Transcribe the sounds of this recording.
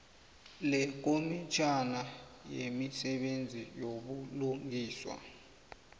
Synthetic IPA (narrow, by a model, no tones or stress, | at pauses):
lɛk̬ʼomit͡ʃʰanajemisɛɓend͡zʱijoɓuluŋʱiːswa̰